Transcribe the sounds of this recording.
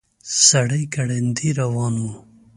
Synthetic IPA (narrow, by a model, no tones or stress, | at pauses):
sɐɽijkɐɽend̪iɾɐwɑːnwu